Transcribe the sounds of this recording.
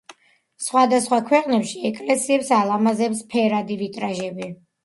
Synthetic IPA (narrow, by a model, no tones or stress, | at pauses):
sχwad̪asχwakʰwɛqʼnɛpʃiɛkʼlɛsiɛpsalˠamazɛpspʰɛɾad̪ivit̪ʼɾaʒɛbi